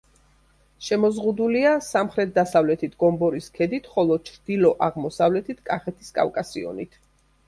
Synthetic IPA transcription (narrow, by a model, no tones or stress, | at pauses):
ʃɛmɔzʁud̪uliasamχɾɛt̪̚ʰd̪asavlɛt̪ʰit̪ʰɡɔmbɔɾiskʰɛd̪it̪ʰχɔlˠɔt͡ʃʰɾd̪̥ilɔʔaʁmɔsavlɛt̪ʰit̪ʰkʼaχɛt̪ʰiskʼa̰fkʼasiɔ̰nit̪ʰ